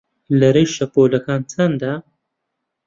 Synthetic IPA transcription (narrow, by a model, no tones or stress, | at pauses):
lɐɾejʃɐpoːlɐkaːnt͡sʰɐnd̪a